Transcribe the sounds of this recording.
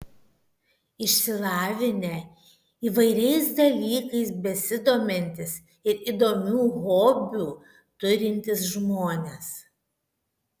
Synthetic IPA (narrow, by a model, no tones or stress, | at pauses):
ɪʃʲsʲɪlˠɑːʋʲɪnʲɛ | iːʋɐɪɾʲɛɪsd̪ɐlʲiːkɐɪsbʲɛsʲɪd̪oːmʲɛnʲt̪ʲɪs | ɪɾiːd̪oːmʲuːɣoːbʲuː | t̪ʊɾʲɪnʲt̪ʲɪs̬ʒmoːnʲes